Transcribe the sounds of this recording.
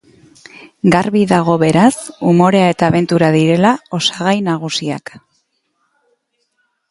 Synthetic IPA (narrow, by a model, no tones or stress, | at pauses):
ɡaɾβiðaɣ̞o̞βe̞ɾasumo̞ɾe̞ae̞t̪aːβ̞e̞nt̪uɾaðiɾe̞lao̞saɣ̞ajnaɣ̞usia̰k